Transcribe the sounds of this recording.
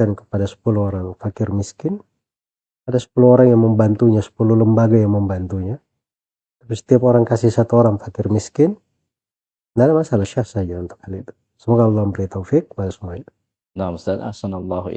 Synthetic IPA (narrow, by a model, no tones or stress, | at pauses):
ankə̥padasə̥puluɦoɾaŋfakɪrmiskɪn | adasə̥puluhoɾaŋjaŋməmbant̪uɲasə̥puluhləmbaɡajaŋməmbant̪uɲa | t̪apisə̥t̪iapoɾaŋkasɪhsat̪uoɾaŋfakɪrmiskɪn | dadamasalahʃafsad͡ʒaunt̪ʊ̥k̚halit̪u̥ | səmoɡalːɑmbəɾit̪awfɪk̚ːəpadasəmuait̪u̥ | namsada̰hsanlˤːɑɦ